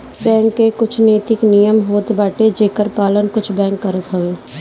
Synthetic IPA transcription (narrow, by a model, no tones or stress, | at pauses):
bɛ̃ːŋkːekʊt͡ʃʰneːt̪ɪknijəmɦoːt̪baːʈed͡ʒeːkəɾpaːlənkʊt͡ʃʰbɛ̃ːŋkːəɾət̪ɦoeː